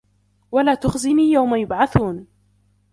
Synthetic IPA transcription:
walaːt̪ʊxzɪniːjawmajʊbʕaθuːn

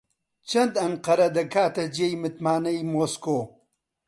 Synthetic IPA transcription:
t͡ʃɐnd̪ɐŋqɐɾɐd̪ɐkaːt̪ɐd͡ʑɐjmit̪maːnɐjmoːskoː

